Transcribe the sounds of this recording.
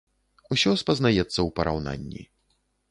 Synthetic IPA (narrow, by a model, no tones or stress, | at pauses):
usʲɔspɐznajɛt̪sːɐwpɐɾʔa̰wna̰nʲːḭ